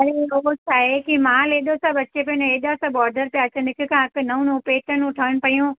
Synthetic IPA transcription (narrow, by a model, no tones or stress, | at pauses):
ɐɾeɦot͡ɕʰaːɦekimãːleːɗ̪osabɐt͡ʃep̬ẽneːɗ̪asãbɔːɾɖəɾpjaːt͡ɕenɪkʰɪkãɪknɐũnũpeːʈənũʈʰəʋənɪ̆pɐijũ